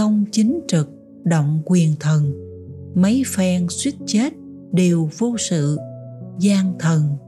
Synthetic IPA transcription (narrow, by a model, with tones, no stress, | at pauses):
xə˧wŋ͡mt͡ɕi˨˦ŋ̟t͡ɕɨ˨˩k̚ | ɗo̰˧˨wŋ͡mkwi˨˩ənt̪ʰə˨˩n | mə˨˦jfɛ˧ŋswi˦˥t̚t͡ɕe˦˥t̚ | ɗe˨˩wvo˧sɨ̰˧˨zaː˧ŋt̪ʰə˨˩n